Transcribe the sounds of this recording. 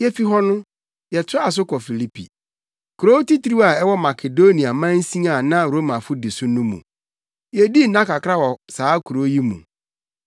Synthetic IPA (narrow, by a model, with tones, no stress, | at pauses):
jɛ˦fi˦ɦɔ˦nʊ̃˦ | jɛ˨tʰʊ˦a˨s̬ʊ˦kʰɔ˨fi˨li˦pʰḭ˨ | kʰu˨ɾo˦ti˦tʰi˦ɾi˦a˨ɛ˦wɔ˦ma˨kʰe˨do˦nĩ˨a˨mã˦n̩˦sĩ˦a˨nã˦ɾo˦mã˨fʊ˦dɪ˨sʊ˦nʊ̃˦mṵ̃˨ | jɛ˨di˦nã˦kʰa˨kʰɾa˦wɔ˨saː˨˦kʰu˨ɾo˨˦ji˦mṵ̃˨